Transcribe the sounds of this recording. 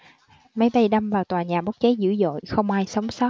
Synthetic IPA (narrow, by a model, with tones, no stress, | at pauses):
mə˨˦jɓə˧jɗa˧mvaː˨˩wt̪waː˨˩ɲaː˨˩ɓo˦˥k̚t͡ɕə˨˦jzɨ̰˧˥zo̰˧˨jxə˧wŋ͡mʔaː˧jsə˨˦wŋ͡msɔ˦˥